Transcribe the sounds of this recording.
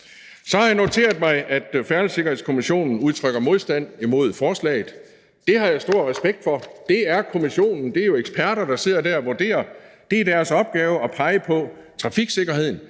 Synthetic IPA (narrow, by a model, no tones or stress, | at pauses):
sɒ̽hɑ̈jäno̝t͡sʰe̝̰ːɐð̩ˠmɑ̈ɪʔæd̥fæɐləse̝ɡ̥ɐhe̝ðˠskʰo̝miɕo̝̰ːnn̩uð̞ˠt͡sʰʁœɡ̥ɐmo̝ðˠsd̥æn̰imo̝ð̰ˠfɒːslɛ̰ːɪð̩ˠ | d̥e̝ɦɑ̈jäɪsd̥o̝ɐ̰ʁɛsb̥eɡ̥̚d̥fɒ̽d̥e̝æɐkʰo̝miɕo̝̰ːnn̩d̥e̝ɐjo̝eɡ̥spʰæɐɾ̥ɐd̥ɑ̈se̝ð̞̰ˠɐd̥æɐæʋoɐd̥e̝̰ːɐd̥e̝æɐd̥æɐsɒ̽b̥̚ɡ̥ɛːʊəɒ̽pʰɑ̈ɪəpʰɒ̽ | t͡sʰʁɑ̈fiɡ̥se̝ɡ̥ɐhe̝ð̞̰ˠn̩